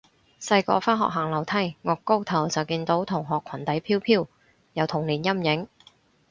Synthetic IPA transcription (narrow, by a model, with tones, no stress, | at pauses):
sɐ˧jkɔ̰ː˧˥faː˥nɦɔ̰˨k̚ɦaː˨˩ŋlɐ˨˩wt̪ʰɐ˥˩jŋɔː˨˧kːo˥wt̪ʰɐ˨˩wt͡sɐ˨wkiː˧nt̪o˨˥wt̪ʰʊ˨˩ŋɦɔː˨kʰwɐ˨˩nt̪ɐ˨˥jpʰiː˥wpʰiː˥w | jɐ˨˧wt̪ʰʊ˨˩ŋliː˨˩njɐ˥mjɪ˨˥ŋ